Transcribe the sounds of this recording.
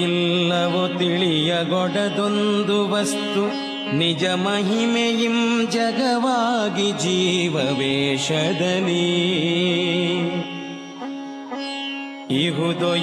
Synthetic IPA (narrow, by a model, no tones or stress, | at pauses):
ilːɐʋut̪iɭijɐɡɔɽɐd̪ond̪uʋɐst̪u | nid͡ʒɐmɐɦimejimd͡ʒɐɡɐʋaːɡid͡ʒiːʋɐʋeːʃɐd̪ɐni | iɦud̪o